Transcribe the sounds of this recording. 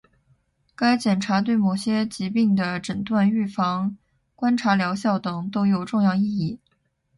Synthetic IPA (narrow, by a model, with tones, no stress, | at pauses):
ka˥ɪt͡ɕjɛ˨˩nʈ͡ʂʰa˧˥t̪̬we˥˩ɪmo˨˩ʊɕjɛ˥t͡ɕi˧˥pi˥˩ŋd̪ə˩ʈ͡ʂə˨˩nt̪wa˥˧ny˥˩fɑ˧˥ŋ | kwa˥nʈ͡ʂʰa˧˥ljɑ˧˥ʊɕjɑ˥˩ʊt̪ɤ˨˩ŋt̪o˥ʊjo˨˩ʊʈ͡ʂʊ˥˧ŋjɑ˥˧ʊi˥˧i˥˩